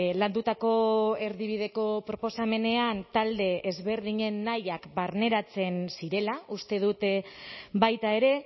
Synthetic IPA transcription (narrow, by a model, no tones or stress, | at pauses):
land̪ut̪ako̞e̞ɾðiβ̞ið̞e̞ko̞pɾo̞po̞same̞ne̞ant̪ald̪e̞ʔezβe̞ɾðiɲe̞nːajakbaɾne̞ɾat͡se̞nsiɾe̞laust̪e̞ð̞ut̪ | βajt̪ae̞ɾe̞